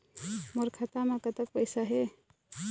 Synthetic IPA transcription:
məɾkʰat̪amakət̪ək̚pəɪsaɦe

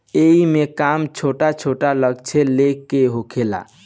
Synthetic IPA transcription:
eɦimekamt͡ʃʰoʈat͡ʃʰoʈaləɡt͡ʃʰɛlekːeɦokʰela̰

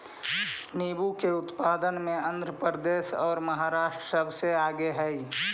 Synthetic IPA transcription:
niːbukeʊt̪paːd̪ənmẽə̃nd̪ʱɾəpɾəd̪eːʃɔːɾməɦaːɾaːʃʈɾəsəbʱseaːɡeɦɛi

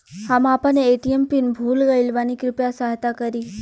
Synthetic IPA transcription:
hamapənːeeʈiempinbʱulɡəilʋanikɾʊpjasaɦt̪akəɾi

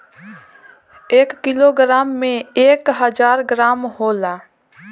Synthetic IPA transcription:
eːkːɪloːɡɾaːmːẽeːkɦəd͡ʒaːɾɡɾaːmɦoːlaː

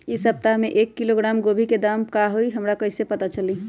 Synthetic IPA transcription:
isəp̚t̪ameʔekːiloɡɾamɡobʱiked̪amkaɦoiɦəmɾakəisepət̪at͡ʃəli

